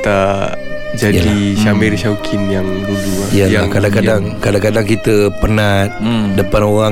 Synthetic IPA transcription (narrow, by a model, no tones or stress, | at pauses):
t̪a | d͡ʒajəlaiʃamɛrʃawkʰinjaŋbud͡ʒuaijajakadakadaŋkadaŋkadaŋkit̪əpənat̪̚dəpanoɾa